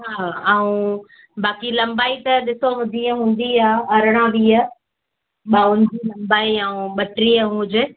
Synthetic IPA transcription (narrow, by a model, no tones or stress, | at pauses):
ɦaːaːũ | baːkilɐ̃mbaːit̪ɐɗɪsoɦʊ̃d̪ʱiaɦũːn̆d̪iaːɐɾəɽ̃ãɗiːaː | ɓaːʊnɪd͡ʑilɐ̃mbaːiaũɓɐʈɾiaɦũʊd͡ʑɪ